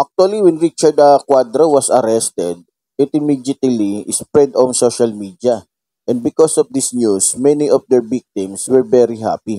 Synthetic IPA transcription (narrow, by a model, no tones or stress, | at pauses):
ʔak̚t̪uɐliwɛ̃nɹit͡ʃɐɹd̪ɐkwad̪ɾowɐsɐɾɛst̪ɛd̪̚ | ɪt̪ɪmid̪ɪt̪lispɹɛd̪ɔ̃nsoʃɐlmid̪jɐ | ʔɛ̃nd̪̚bɪkɔsɔfd̪isnjusmɛniʔɔfd̪ɛɹbik̚t̪ɪ̃mswɛɹvɛɾiɦa̰pi